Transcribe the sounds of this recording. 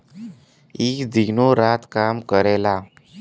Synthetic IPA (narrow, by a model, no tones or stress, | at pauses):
iːkd̪inoɾat̪kamkəɾɛla